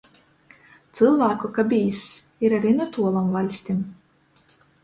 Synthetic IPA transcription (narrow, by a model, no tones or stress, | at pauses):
t̪sɨlˠvaːkukabʲijsiɾaɾinɔt̪uɔlˠɔmvalʲsʲt̪ʲim